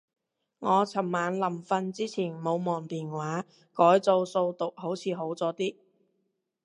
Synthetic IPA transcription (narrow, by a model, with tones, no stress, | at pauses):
ŋɔː˨˧t͡sʰɐ˨˩mːaː˨˧nlɐ˨˩mfɐ˧nt͡siː˥t͡sʰiː˨˩nmo˨˧wmɔː˨˩ŋt̪iː˨˩nwaː˨˥ | kɔː˨˥jt͡so˧wso˧wt̪ʊ˨k̚ho˨˥wt͡sʰiː˨˧ɦo˨˥wt͡sɔː˨˧t̪iː˥